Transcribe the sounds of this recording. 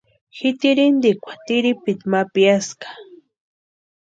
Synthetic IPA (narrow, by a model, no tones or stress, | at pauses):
xɪt̪iɾind̪ikʷḁt̪iɾipit̪mapiaskḁ